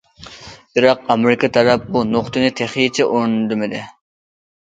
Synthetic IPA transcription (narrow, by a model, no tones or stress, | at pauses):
biɾɑq̚ɑmɪɾɪkʰɑt̪ʰɑɾɑp̚bunoχt̪ɨnɪt̪ʰeχit͡ʃʰɛʔoɾnd̪ɨmɪd̪ɪ